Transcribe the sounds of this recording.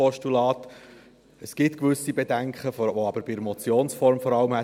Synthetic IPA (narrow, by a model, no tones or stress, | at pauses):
ɔʃtulɑːt | əsɡ̥ɪtkʋʏsibɛdæŋkχəfʋoɑbəɾbɪəɾmɔt͡sjoːnsfɔɾmfɔɾɑləmhɛ